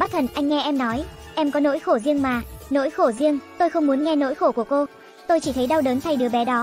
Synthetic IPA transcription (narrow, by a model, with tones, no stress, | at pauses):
ɓa˦˥t̚t̪ʰə˨˩nʔa˧jŋ̟ŋɛ˧ʔɛ˧mnɔ˨˦jʔɛ˧mkɔ˨˦no̰˧˥jxo˧˩zi˧əŋmaː˨˩no̰˧˥jxo˧˩zi˧əŋt̪o˧jxə˧wŋ͡mmu˨˦ənŋɛ˧no̰˧˥jxo˧˩ku˧˩əko˧ | t̪o˧jt͡ɕi˧˩t̪ʰə˨˦jɗa˧wɗəː˨˦nt̪ʰa˧˩jɗɨ˨˦əɓɛ˨˦ɗɔ˨˦